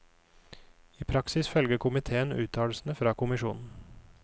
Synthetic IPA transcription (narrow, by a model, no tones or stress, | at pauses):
iːpʰɾɑksɪsfœlɡəkʰʊmɪt̪ʰeːənʉ̰ːt̪ʰɑːlsn̩əfɾɑːkʰʊmɪʃuːnn̩